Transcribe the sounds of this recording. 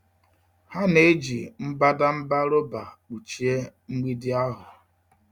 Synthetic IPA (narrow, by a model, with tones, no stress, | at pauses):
ha˦ne˦d͡ʒi˨m̩˦ba˦da˦m̩˦ba˦ɾo˦ba˨k͡pu˨t͡ʃi˨˦e˦ŋ͡m̩˦ɡ͡bi˦dɪ˦a˦ɦʊ˨